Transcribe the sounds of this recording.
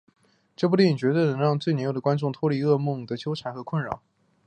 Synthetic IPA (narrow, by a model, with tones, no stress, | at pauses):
ʈ͡ʂɤ˥˧p̬u˥t̪i˥˩ni˨˩t͡ɕɥɛ˧˥d̪ə˥˩nə˧˥ŋɻɑ˥˧ŋt͡swe˥˩ɪnɛ˧˥jo˨˩ə˩kwa˥nʈ͡ʂʊ˥˩ŋt̪ʰwɔ˥li˧˥ɤ˥˧mʊ˥˩ŋd̪ə˩t͡ɕʰjo˥ʈ͡ʂʰa˧˥nxɤ˧˥kʰwə˥˩nɻɑ̰˨˩˦ŋ